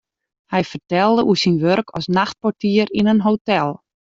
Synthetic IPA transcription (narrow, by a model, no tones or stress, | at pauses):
hɛjfərtɛlˠdəʔusinʋørkʰɔ̰snaxt̚pɔtiəɾinənɦotɛlˠ